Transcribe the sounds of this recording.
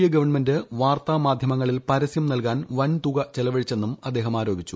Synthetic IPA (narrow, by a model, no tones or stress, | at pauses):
jɐɡɐʋɐrɳmendɨʋaːrt̪aːmaːd̪ʱjɐmɐŋːɐɭilpɐɾɐsjɐmnɐlkaːnʋɐnt̪uɣɐt͡ɕelɐʋɐɻit͡ɕːe̞nːumɐd̪ːeːɦɐmaːɾo̞ːbʱit͡ɕːu